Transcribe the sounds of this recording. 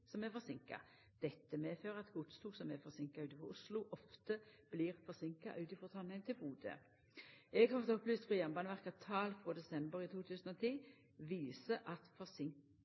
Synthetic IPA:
sɔmɛfɔʁsɪŋkɑ̰ | d̪̥ɛt̪ːəmeːføːʁəɑt̪ɡ̥ʊt̪st̪ʰuːɡsɔmɛfɔsɪŋkɑʉːt̪ɪfʁɔʁʔʊslʊʔɔft̪əb̥liːʁfɔʁsɪŋkɑ̰ʔʉːt̪ɪfɔʁt̪ʰɑnːɪənt̪ʰɪlbuːd̪ə̰ | ɛɡhɑɾfɔʁt̪ɔplyːst̪fʁɔjæʁnbɑːnəʋæʁkɑt̪ʰɑːlfʁoːd̪ɛsɛmbəʁiːt̪ʰuːt̪ʰʉːsn̩oːt̪ʰiː | ʋiːsəʔɑt̪fɔsɪŋ

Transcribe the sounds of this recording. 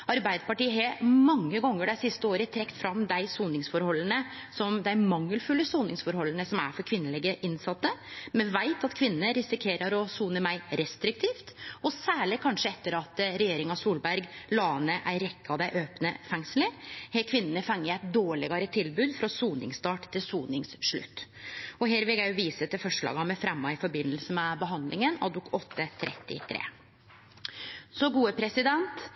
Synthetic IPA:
ɑɾbæɪd̪əpɑʈiːəɦemɑŋːəɡɔŋːəɖæɪsɪst̪əoːɾət̪ʰɾɛkːt̪fɾɑmd̪æɪsuːnɪŋsfɔɾhɔlːənəsɔmd̪æɪmɑŋːəlfʉlːəsuːnɪŋsfɔɾhɔlːənəsɔmæ̰fɔɾkʰʋɪnːəlɪɡəʔɪnsɑt̪ːəmɛʋæɪt̪ɑt̪kʰʋɪnəːəɾɪsɪkʰeːɾəɾɔsuːnəmæɪɾɛst̪ɾɪk̚t̪ʰiːft̪ɔsæːɭɪkʰɑnʂəɛt̪ːəɾɑt̪ɾɛjeːɾɪŋɑsuːlbæɾɡlɑːnəʔæɾɛkːəɑʋd̪æɪʔøːpnəfɛŋsələɾhɛkʰʋɪnːənəfɑŋːəæɪt̪̚d̪oːɭɪɡɑɾət̪ʰɪlbʉːd̪fɾɑsuːnɪ̰ŋst̪ɑːʈt̪ːɪlsuːnɪŋsʂɭʉ̰t̪ː | ɔɦeːɾʋɪlɡæjʊʋiːsət̪ʰɪlfɔʂɭɑ̰ːɡɑmɛfɾɛmːɑɪfɔɾbɪnːəlsəmɛbəɦɑnd̪lɪŋənɑ̰d̪ʊkʰɔt̪ʰːət̪ʰɾʔɛ̰t̪ːɪ̰t̪ʰɾḛː | sɔɡuːəpʰɾɛsɪd̪ɛnt̪

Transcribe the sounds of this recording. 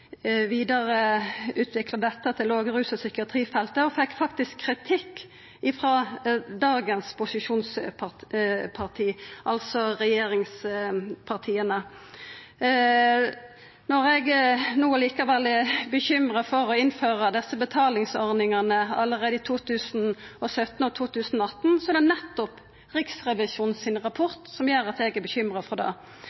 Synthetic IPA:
ʋiːd̪ɑʁəʉːt̪ʰʋɪklɑd̪ɛt̪ːət̪ʰɪloːɡʁʉːsəsʏkɪɑt̪ʰʁiːfɛlt̪əɔfɛkːfɑk̚t̪ɪskʰːʁɪt̪ʰɪkː | ɪfʁɑːd̪ɑːɡənspʰʊsɪʃuːnspɑpʰɑʁt̪ʰiːʔɑlsɔʁɛjeːɾɪŋspʰɑʁt̪ʰiːənə | nɔɾɛɡnuːəliːkɑʋɛlɪbəçʏmʁɑfɔʁɔɪnføːʁəd̪ɛsəbət̪ʰɑːlɪŋsɔʁnɪŋɑnəɑ̰lːəʁeːd̪əɪːt̪ʰuːt̪ʰʉːsnɔsœt̪n̩ɔt̪ʰuːt̪ʰʉːsn̩ɔɑt̪nsɔɛd̪ɛnɛt̪ːɔp | ʁɪksʁɛʋɪsuːnsɪnʁɑpʰɔʁt̪sɔmjøːɾɑt̪ɛɡæbəçʏmʁɑfɔd̪ɑ̰ː

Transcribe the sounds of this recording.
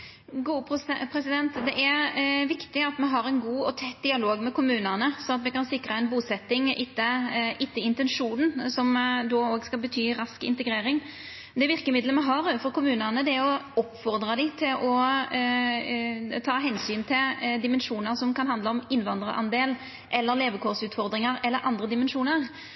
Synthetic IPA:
ɡuːppʰɾɛsɪd̪ɛnt̪d̪ɛʔæɾʋɪkt̪ɪɑt̪mɛɦɑɾɛɪnɡuːɔt̪ʰɛt̪ːd̪ɪɑloːɡmɛkʊmʉːnənəsɔɑt̪ʋɪkɑnsɪkɾəɛɪnbuːsɛt̪ːɪŋɪt̪ːəɪt̪ːəɪnt̪ɛnʂuːnn̩sɔmd̪oːoːɡskɑlbət̪ʰyːɾɑskɪ̰nt̪əɡɾeːɾɪŋ | d̪ɛʋɪʁkəmɪd̪ləmɛɦɑɾoːʋəfɔɾkʊmʉːnəʁnəd̪ɛæɾɔɔpfɔɾd̪ɾɑd̪ɪt̪ʰɪlʔɔ | t̪ʰɑːɦɛnsyːnt̪ʰɪld̪ɪmɛnʂuːnəɾsɔmkɑnhɑnd̪ləɔmɪnʋɑnd̪ɾəʔɑ̰nd̪eːl | ʔɛlːəɾleːʋəkʰɔːʁsʉːt̪fɔɾd̪ɾɪŋɑɾɛlːəɾʔɑnd̪ʁəd̪ɪmɛnʂuːnəʁ

